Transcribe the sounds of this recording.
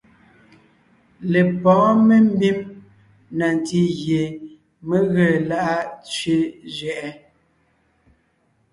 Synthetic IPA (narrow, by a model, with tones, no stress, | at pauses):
le˨pɔ̃ː˨˦me˦m̩˦bi˦m | na˨n˨ti˦ɣje˨ | me˦ɣə˨la˦ʔa˦t͡ʃɥe˦d͡ʒɥɛ˨ʔɛ˦